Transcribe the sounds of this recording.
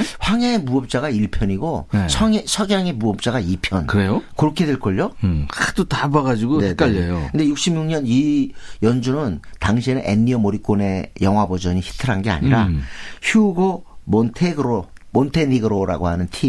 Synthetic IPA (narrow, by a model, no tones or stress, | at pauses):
ɸwaŋaemuʌp̚t͡ɕ͈aɣaiɭpʰjʌɲiɡonet͡ɕʰʌt͡ɕʰʌɡjaŋe̞muʌp̚t͡ɕ͈aɡaipʰjʌnkɯɾejokɯɾʌkʰe̞dwe̞ɭk͈ʌʎːokat͈otabaɡad͡ʑiɡonek͈aʎːejokɯnd̪e̞juk̚ɕ͈imɲuŋɲʌnijʌnd͡ʑunɯntaŋɕʰienɯʔḛnːiʌmoɾik͈one̞jʌŋɦwabod͡ʑʌɲiçi̥tʰɯɾɦanɡe̞a̰ɲiɾaçuɡomontʰeɡɯɾomontʰe̞niɡɯɾoɾa̰ɡoɦanɯntʰi